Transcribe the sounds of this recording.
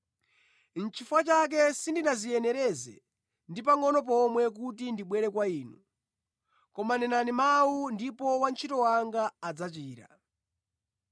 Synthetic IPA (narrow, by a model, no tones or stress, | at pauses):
n̩t͡ʃʰifwat͡ʃak̬ɛsindiɗazijɛnɛɾɛzɛ̰ | ndipaŋɔnɔp̬ɔmwɛk̬utindiɓwɛɾɛkwaiːnu | kɔmanɛnanimawundipɔwant͡ʃʰitɔwaŋɡaːd͡zat͡ʃiːɾa̰